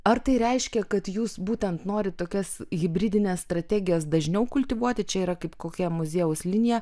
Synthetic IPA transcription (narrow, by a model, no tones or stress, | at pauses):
ɐɾt̪ɐɪɾʲɛɪʃʲkʲɛkɐt̪juːsbuːt̪ʲɛnt̪noːɾʲɪtt̪oːkʲɛsɣʲɪbʲɾʲid̪ʲɪnʲeːsst̪ɾɐt̪ʲæːɡʲɪjoːsd̪ɐʒʲnʲɛʊkʊlʲt̪ʲɪʋuɔt̪ʲɪt͡ʃʲɛiːɾɐkɐɪpkoːkʲɛmʊzʲeːjʊslʲɪnʲɪjɛ